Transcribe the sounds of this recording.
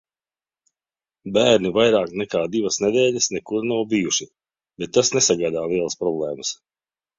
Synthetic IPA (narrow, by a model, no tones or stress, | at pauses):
bæːɾnivajɾaːknɛkaːd̪ivasnɛd̪ɛːʎʲɐsnɛkuɾnawbijuʃi | bɛt̪̚ːasnesaɡajd̪aːlˠiɛlˠəspɾɔblˠɛːməs